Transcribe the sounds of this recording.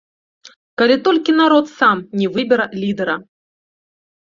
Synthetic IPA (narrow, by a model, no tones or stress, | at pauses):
kalʲit̪ɔlʲkʲinaɾɔt̪samnʲɛvɨbʲɛɾɐlʲid̪ɛɾɐ